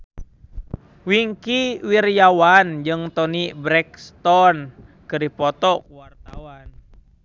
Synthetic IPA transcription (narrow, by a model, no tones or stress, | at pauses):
wiŋkiwirjawand͡ʒɨŋt̪ɔnibɾɛkst̪ɔnkɨɾipɔt̪ɔwart̪awan